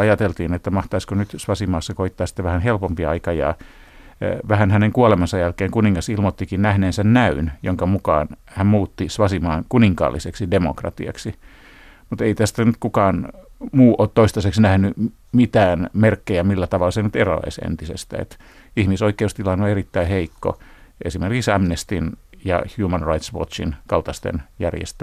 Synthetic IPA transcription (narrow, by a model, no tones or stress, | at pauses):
ɑjɑt̪elt̪iːnet̪ːæmɑht̪ɑiskonyt̪sʋɑsimɑːsːɑkoit̪ːɑːsi̥t̪ːeʋæhænhelpompiɑikɑjɑ̰ː | ʋæhænhæneŋkuolemɑnsɑjælkeːŋkuniŋːɑsilmot̪ːikinnæhneːnsennæynjo̰ŋkɑmukɑ̰ːn | hæmmuːt̪ːisʋɑsimɑːnkuniŋkɑ̰ːlːiseksidemo̰krɑ̰t̪ḭɑ̰ksi | mut̪eit̪æst̪ænyt̪kukɑːnmuːʔoːt̪t̪oist̪ɑseksnæhny | mit̪æːnmerkːejæmilːæt̪ɑʋɑlːˑɑsenyt̪erɑ̰ɑ̰isḛnt̪isḛst̪æ̰ḛt̪ | ihmisoikeust̪ilɑnoerit̪ːæiheikːo̰ḛsimerkiksɑmnest̪injɑ̰hjuːmænrɑit̪sʋo̰t͡ʃḭnkɑlt̪ɑst̪ḛnjæ̰rjḛst̪æ